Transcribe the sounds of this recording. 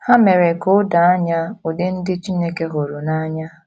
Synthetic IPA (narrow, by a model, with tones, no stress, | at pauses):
ha˦me˨ɾe˨kʊ˦da˨a˦ɲa˦o˨dɪ˦n̩˦dɪ˦t͡ʃi˦ne˦ke˦ɦo˨ɾu˨na˦ɲa˦